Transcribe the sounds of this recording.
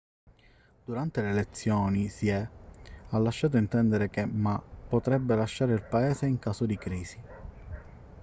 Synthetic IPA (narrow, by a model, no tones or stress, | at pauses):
d̪̥uɾant̪eleːlet̪sːjoːnisiɛ | alːaʃːaːt̪̬oint̪ɛnd̪eɾekemapːot̪ɾɛbːelaʃːaːɾeilpaeːseiŋkaːsod̪ikɾiːzi